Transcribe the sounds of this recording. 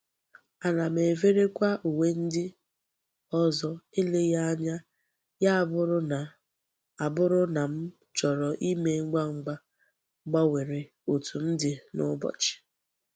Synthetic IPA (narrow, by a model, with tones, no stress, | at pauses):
a˨na˨m̩e˨ve˦ɾe˦kʷa˦ʔu˨we˦n̩˦dɪ˦ | ɔ˦zɔ˦ɪ˦le˦ja˦a˦ɲa˦ | ja˦˨bʊ˦ɾʊ˦na˨ | a˨bʊ˦ɾʊ˦na˨m̩˦ | t͡ʃɔ˨ɾɔ˨ʔi˦me˦ŋ͡m̩˦ɡ͡ba˦ŋ͡m̩˦ɡ͡ba˦ | ɡ͡ba˦we˨ɾe˨ | o˨tu˨m̩˦dɪ˨nʊ̰˦bɔ̰˨t͡ʃɪ̥˨